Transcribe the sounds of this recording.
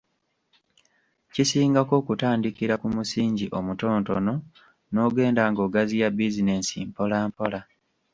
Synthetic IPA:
cisiːŋɡako̞ːkutaːndikiɾakumusiːɲɟiʔo̞muto̞ːntono̞ | no̞ɡe̞ːndaŋɡo̞ːɡazijabizine̞sḭmpo̞laːmpo̞la

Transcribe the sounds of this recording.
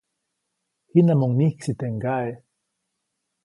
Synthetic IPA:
hinamoŋnihksit̪eŋɡae

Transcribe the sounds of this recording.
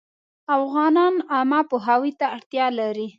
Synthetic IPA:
afɣɑnɑnamapoɦawit̪aːɽt̪jɑlaɾi

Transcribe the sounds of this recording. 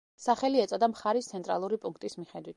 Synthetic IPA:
saχɛliɛt̪sʼɔd̪amχaɾist̪sʰɛnt̪ʼɾalˠuɾipʼuŋk̚ʰt̪ʼismiχɛd̪wit̪̚ʰ

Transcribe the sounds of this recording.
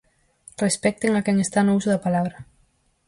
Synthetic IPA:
respɛk̚t̪eŋakɛŋest̪anousuðapalaβɾɐ

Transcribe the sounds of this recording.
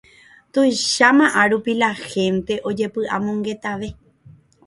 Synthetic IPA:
t̪ojʃamãʔaɾupilaxẽ̞nt̪e̞ʔo̞d͡ʒe̞pɨʔa̰mõŋɡe̞t̪aʋe̞

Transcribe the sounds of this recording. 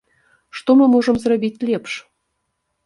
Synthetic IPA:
ʃt̪omɤ̆moʒɤ̆mzɾɑbʲit̪ʲlʲepʃ

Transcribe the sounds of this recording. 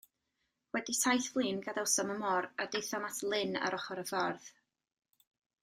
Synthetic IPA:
wɛdisajθvlˠiːnɡaðɛwsɔməmɔɾadejθɔmatʰlˠɪna̰ɾʔɔχɔɾəvɔrð

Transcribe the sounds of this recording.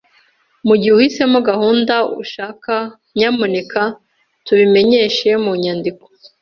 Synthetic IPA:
muɟihuhise̞muɡahuːndaṵʃaːka | ɲamuneka | tuβime̞ɲe̞ːʃe̞muɲaːndiko̥

